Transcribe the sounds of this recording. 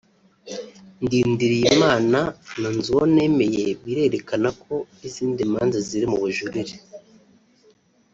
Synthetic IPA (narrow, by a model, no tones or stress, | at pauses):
ndiːndiɾijimaːnananzuwone̞me̞je̞βiɾe̞ɾe̞kanakʰo̞ | iziːndimaːnzaziɾimuβuʒuɾiɾe